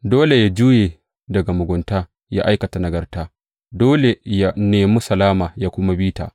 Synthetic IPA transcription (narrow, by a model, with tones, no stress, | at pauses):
doː˦le˨ja˦d͡ʒuː˦jeː˨ | dɐ˨ɡa˨mʊ˨ɡʷʊ˨nta˦ | ja̰˦ʔa˦jkɐ˨ta˨nɐ˨ɡɐ˨rtaː˦ | doː˦le˨ja˦neː˨mu˦sɐ˨laː˦maː˨ja˦kʷʊ˦ma˦biː˦ta̰ː˨